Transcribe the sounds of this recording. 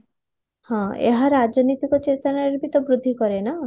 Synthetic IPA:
hɔ̃ḛɦaɾad͡ʒɔnit̪ikɔt͡ʃet̪ɔnaɾeɾbit̪ɔbɾud̪ʱːikɔɾena

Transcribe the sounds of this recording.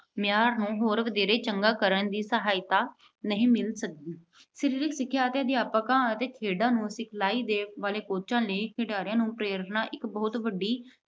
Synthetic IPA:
mɪjaːɾnũːɦoːɾʋəd̪eːɾeːt͡ʃəŋɡaːkəɾəɳd̪iːsəɦaːɪt̪aː | nəɦĩːmɪlsək̚d̪iː | səɾiːɾɪksɪkʰːjaːt̪jẽːd̪ɪaːpəkãːət̪eːkʰeːɖãːnũːsɪkʰlaːiːd̪eːkʋaːleːkoːt͡ʃãːleikʰeɖaːɾɪjãːnũːpɾeːɾəɾnaːʔɪkbɔːʊt̪ʋəɖːiː

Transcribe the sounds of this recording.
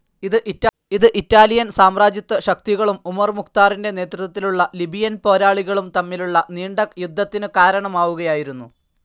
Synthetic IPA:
iðɨʔi | iðɨʔitːaːlijɐnsaːmraːd͡ʑjɐt̪ːɐɕɐk̚t̪iɣɐɭumumɐrmukt̪aːrinde̞ne̞ːt̪rut̪ːɐt̪ːiluɭːɐlibʱijɐnpo̞ːɾaːɭiɣɐɭumt̪ɐmːiluɭːɐniːɳɖɐkjud̪ʱːɐt̪ːinɨkaːɾɐɳɐmaːʋuɣɐjaːjiɾunːu

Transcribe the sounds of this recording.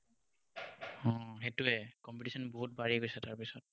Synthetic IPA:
ɔ̃xetuɛkɔmpitisɔnboɦut̚baɹiɡojsɛtaɹpisɔt̚

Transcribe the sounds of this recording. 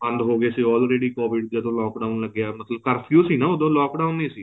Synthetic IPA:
ə̃nd̪ɦoːɡeːsiːɔːlɾeːɖiːkoːbɪɖd̪əd̪õːlɔːkɖaːʊnləɡːaːmət̪ʰləb̚kəɾpʰijuːsiːnaːod̪õːlɔːkɖaːʊniːsiː

